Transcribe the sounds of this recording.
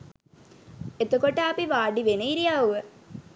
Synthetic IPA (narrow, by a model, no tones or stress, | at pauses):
et̪okoʈəapiʋaːɖiʋenəiɾijaːuʋə